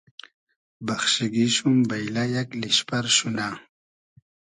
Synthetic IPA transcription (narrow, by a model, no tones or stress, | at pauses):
baxʃiɡiʃumbajlajakliɕpaɾʃuna